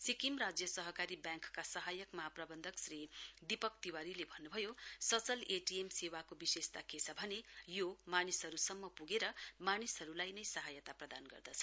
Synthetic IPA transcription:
sikimrad͡zjʌsʌɦʌkaɾibjãŋkkːasʌɦajʌkmʌɦaprʌbʌnd̪ʱʌksrid̪ipʌk̚t̪iwaɾilebʱʌnːubʱʌjosʌt͡sʌleʈiemsewakobisest̪akʰesʰabʱʌnejomanisɦʌɾusʌmːʌpuɡeɾʌmanisɦʌɾulajnʌjsʌɦajʌt̪aprʌd̪anɡʌ̰rd̪ʌt͡sʰʌ

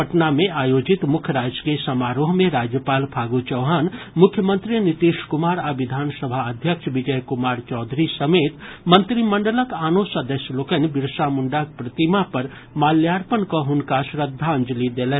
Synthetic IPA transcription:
əʈnamẽʔaːjoːd͡ʒɪt̪mʊkʰjəɾaːd͡ʒkesəmaːɾoːɦmẽɾaːd͡ʒjəpaːlpʰaːɡut͡ʃəʊɦaːnmʊkʰjəmə̃nt̪ɾinit̪iʃkʊmaːɾaʋɪd̪ʱaːnsəbʱaəd̪ʱjəkʃʋid͡ʒəjkumaːɾt͡ʃɔːd̪ʱɾisəmeːt̪mə̃nt̪ɾiməɳɖələkaːnosəd̪əsjloːkənbɪɾsamʊɳɖak̚pɾət̪imapɐɾ | maːljaːɾpənkɔɦʊnkasɾəd̪ʱːaənd͡ʒəlid̪eːlɛ

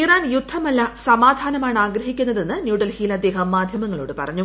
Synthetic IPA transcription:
iraːnjud̪ʱːɐmɐlːɐsɐmaːd̪ʱaːnɐmaːɳaːɡɾɐɦikʲːunːɐðe̞nːɨnjuːɽɐlhiːlɐd̪ːe̞ːɦɐmːaːd̪ʱjɐmɐŋːɐɭoːɽɨpɐ̰rɐɲːu

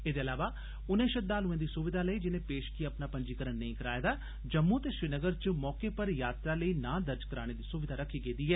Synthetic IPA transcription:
eːd̪eːəlaːʋaː | ʊnẽːʃəd̪aːlɦʊẽːd̪iːsʊʋɪd̪ʱaːləiːd͡ʒɪnẽːpeːʃkiəpnaːpəɲd͡ʒiːkəɾənːəĩːkəɾaːed̪aː | d͡ʒəmːuːt̪eːsɾiːnəɡəɾt͡ʃmɔːkeːpəɾjaːt̪ɾaːləiːnãːd̪əɾd͡ʒkəɾaːɽ̃ẽːd̪iːsʊʋɪd̪ʱaːɾəkʰːiːɡeːd̪iːɦɛː

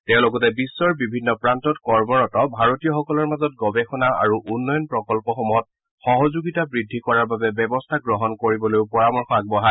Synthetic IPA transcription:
tɛʊ̃lokɔtɛbisːɔɹbibʱinːɔpɹantɔtkɔɹmɔɹɔtɔbʱaɹotijɔxɔkɔlɔɹmazɔt̚ɡɔbɛxɔnaa̰ɹuʔunːɔjɔnpɹɔkɔlpɔxɔmɔt̚ | xɔɦɔzuɡitabɹidʱːikɔɹaɹbabɛbɛbɔstʰaɡɹɔɦɔnkoɹibɔlojʊpɔɹamɔɹxɔaɡ̚bɔɦa

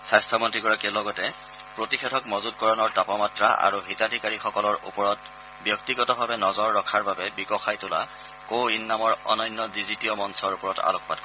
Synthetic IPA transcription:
sajstʰɔmɔntɹiɡɔɹakiɔlɔɡɔtɛ | pɹotixʰɛtʰɔkmɔzutkɔɹɔnɔɹtapɔmatɹa̰ʔa̰ɹuɦitadʱikaɹixɔkɔlɔɹṵpɔɹɔt | bjɔk̚tiɡɔtɔbʱabɛnɔzɔɹːɔkʰaɹbabɛbikɔxajtʊla̰ | kowinːamɔɹɔ̰nɔjnːɔdizitijɔmɔnsɔɹupɔɹɔta̰lɔkʰba̰d̚kɔ

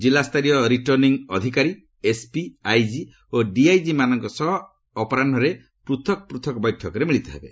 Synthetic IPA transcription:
d͡ʒilast̪ʰaɾijɔɾiʈɔɾniŋɔd̪ʱikaɾi | espiajd͡ʒi | oɖiajd͡ʒimanɔŋkɔsɔɦɔː | pɔɾanɖʱɔɾe | pɾut̪ʰɔkɔpɾut̪ʰɔkɔbɔjʈʰɔkɔɾemiɭit̪ɔɦebe

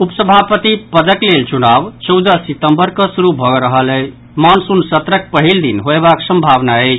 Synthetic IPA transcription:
upsəbʱapət̪ipəd̪əklelt͡ʃunabt͡ʃɔwd̪əsit̪əmbəɾkəsuɾubʱɔɡɾəɦələt͡ʃʰ | mansunsət̪ɾək̚pəɦild̪inɦoebaksə̃mbʱaβnaəɪt͡ʃʰ

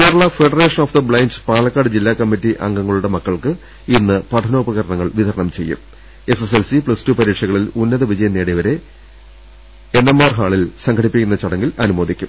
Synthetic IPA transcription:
kiɐɾɐɭɐfe̞ɖɐre̞ːʂɐnoːfd̪ɐbɭajnd͡ʑpaːlɐkːaːɽɨd͡ʑilːaːkɐmːitːiʔɐ̰ŋɡɐŋːɐɭuɽe̞mɐkːɐɭkɨ | inːɨpɐʈʰɐno̞ːpɐɣɐɾɐɳɐŋːɐɭʋiðʱɐɾɐɳɐmt͡ɕe̞̰jːṵm | e̞seselsipɭɐstupɐɾiːkʂɐɣɐɭilunːɐðɐʋid͡ʑɐjɐnːeːɽiʋɐɾe̞ | enːemːaːrɦaːɭilsɐŋɡkʰɐɽipːikʲːunːɐt͡ɕɐɽɐŋːilɐnumo̞ːd̪ikʲːum

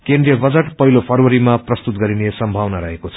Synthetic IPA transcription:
keɳɖrijʌbʌd͡zʌʈpʌɦilopʰʌrwʌɾimaprʌst̪ut̪̚ɡʌɾinesʌmbʱawnaɾʌɦekot͡sʰʌ

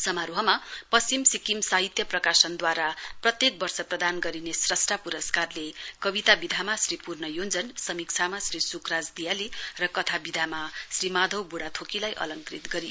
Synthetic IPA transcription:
sʌmaɾuɦʌmapʌst͡simsikimsaɦit̪jʌprʌkasʌnd̪waɾaprʌt̪jek̚bʌrsʌprʌd̪anɡʌɾinesrʌsʈapuɾʌskarlekʌbit̪abid̪ʱamasripurnʌjond͡zʌnsʌmikt͡sʰamasrisukrad͡zd̪ijalirʌkʌt̪ʰabid̪ʱamasrimad̪ʱʌwbuɽat̪ʰokilajʔʌ̰lʌŋkrit̪ɡʌɾi

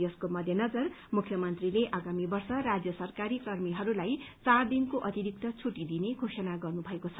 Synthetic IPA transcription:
ʌskomʌd̪ʱjʌnʌd͡zʌr | mukʰːjʌmʌnt̪rileʔaɡamibʌrsʌrad͡zjʌsʌrkaɾikʌrmiɦʌɾulajt͡sard̪inkoʔʌt̪iɾik̚t̪ʌt͡sʰuʈid̪ineɡʱosʌnaɡʌrnubʱʌekot͡sʰʌ

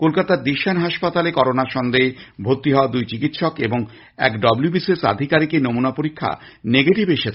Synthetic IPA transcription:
kolkat̪aɾd̪iʃanɦaʃpat̪alekɔɾonaɾʃɔnd̪ebʱot̪ːiɦɔoad̪ujt͡ɕikit̪ʃɔkeboŋ | ɛ̰kɖɔbljubisesa̰d̪ʱikaɾikenomunapoɾikʰːa̰ | neɡeʈibeʃet͡ɕʰe

